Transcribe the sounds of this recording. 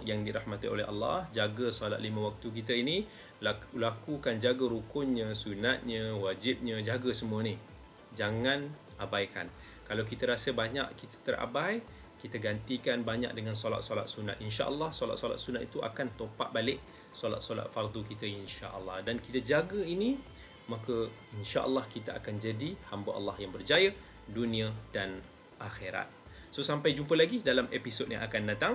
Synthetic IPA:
jaŋdiɾahmat̪io̰lɛɦa̰lːɑ̰hd͡ʒaɡəsɔla̰t̪̚limãwak̚t̪uk̬it̪əini | lakukand͡ʒaɡəɾukʊnɲə̃sunat̪̚ɲə̃wad͡ʒip̚ɲə̃d͡ʒaɡəsəmũəni | d͡ʒaŋãn | ʔabajka̰n | kalawk̬it̪əɾasəbaɲa̰ʔkit̪ə̥t̪ərʔa̰baj | kit̪əɡant̪ikanbaɲa̰k̚dəŋãnsola̰t̪̚sola̰t̪̚suna̰t̪̚inʃa̰ʔəlːɑhsola̰t̪sola̰t̪̚sunat̪̚it̪uʔa̰kant̪opa̰ʔ̪̚balɪʔ | sola̰t̪̚sola̰t̪̚fard̪ukit̪əinʃa̰ʔəlːɑhdankit̪əd͡ʒaɡəini | makə | inʃaʔə̰lːɑhkit̪aakand͡ʒadihambaʔa̰lːɑhjaŋbərd͡ʒajə | dunĩədan | ʔaxeɾa̰t̪̚ | sosampajd͡ʒumpəlaɡidalamepisod̚ɲã̰akandat̪aŋ

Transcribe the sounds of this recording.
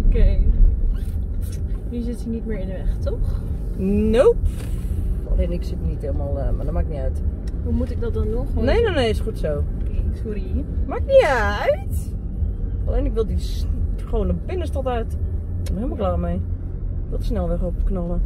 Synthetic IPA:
okeː | jizɪtinit̚mɪːɹɪndəʋɛxtʰɔx | now | a̰leːnɪksɪtnitheːlˠmalˠəmadɔmakɪkniœɥthumutɪk̚dɔt̚dɔnɔxneːnoneːɪsχutsoːsuɾimakniœɥt | ʔaleːnɪkʋɪlˠdisχoːwnəbɪnəstɔtaɥt | nhɪlˠmlˠɡlˠaːmej | ɪkʋɪlˠtəsnɛlˠʋɛχopknɔlˠə

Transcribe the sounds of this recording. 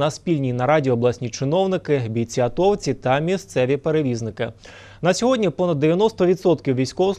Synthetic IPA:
ɐspʲilʲnʲinɐɾɑdʲiɔːblˠasʲnʲit͡ʃɪnɔwnɪkɪbʲij̪t͡sʲiɐt̪ɔwt͡sʲit̪ɐmʲist̪sɛʋʲipeɾeʋʲiznɪkɪ | nɐsʲɔɦɔdʲnʲipɔnɐd̪ːeʋʲjɐnɔst̪ɔʋʲid̪sɔt̪kʲiwʋʲijsʲkɔʋs

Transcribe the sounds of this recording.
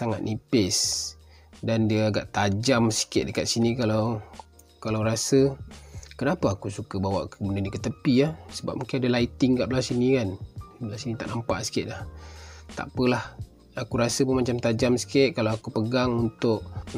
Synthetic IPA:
saŋa̰t̪̚nʔipɪs | dandiəaɡaʔt̪ad͡ʒamsi̥kɪʔ̪̚dəkat̪̚sinikalaw | kalawɾasə | kənapaːkusukabawa̰ʔkbənədikət̪əpiasəba̰p̚muŋkɪnadalait̪ɪŋkaʔplasinikanblasinit̪aʔnampa̰ʔsi̥kɪʔ̪̚laht̪a̰ʔpəlah | akuɾasəpumat͡ʃamt̪ad͡ʒamsi̥kɪʔ̪̚kalaakupəɡaŋunt̪ʊʔ

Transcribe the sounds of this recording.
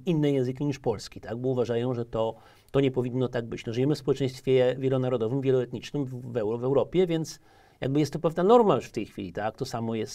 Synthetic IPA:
inːɛjɛ̃ñzɘkʲiɲiʂpɔlskʲit̪aɡ̚bɔuvaʐajɔ̃w̃ʐɛt̪ɔ | t̪ɔɲɛpɔvʲinːɔt̪aɡ̚bɘt͡ɕnɔʐɨjɛmɘfspɔwɛt͡ʂɛj̃st̪fʲjɛvʲjɛlɔnaɾɔd̪ɔvɘmvʲjɛlɔɛt̪ɲit͡ʂnɘmvɛwɾɔvɛwɾɔpʲjɛvʲjɛnt̪s | ja̰ɡ̚bɘjɛst̪ːɔpɛvnanɔɾmajuʂft̪ɛjxfʲḭlʲit̪akt̪ɔsamɔjɛst̪

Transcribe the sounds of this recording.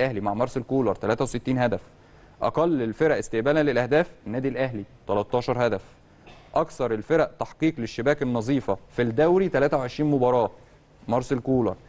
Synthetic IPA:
ʔæhlimaʕmɑɾˤsˤelkuːlɑɾˤt̪ælæːt̪æwset̪ːiːnhæd̪æf | ʔɑ̰qɑlːelfeɾæʔest̪eʔbæːlænlelʔæhd̪æːfenːæːd̪ilʔæhlit̪ɑlɑt̪ˤːɑːʃɑɾˤhæd̪æf | ʔɑkθɑɾˤelfeɾæʔt̪ɑħqiːqleʃːebæːkenːɑzˤiːfɑfild̪æwɾit̪ælæːt̪æwʕeʃɾiːnmobɑɾˤɑː | mɑɾˤsˤelkuːlɑɾˤ

